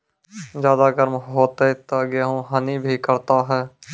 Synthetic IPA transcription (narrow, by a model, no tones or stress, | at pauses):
zjaːd̪aɡəɾmɦoːt̪et̪aɡeɦõɦənibʱikəɾt̪aɦɛː